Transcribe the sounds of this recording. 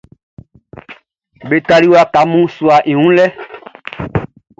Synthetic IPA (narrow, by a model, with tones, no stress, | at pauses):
be˨t̪a˨li˦wa˨ka˨mũ˦su˨a˨ʔi˨ŋũ˦lɛ˦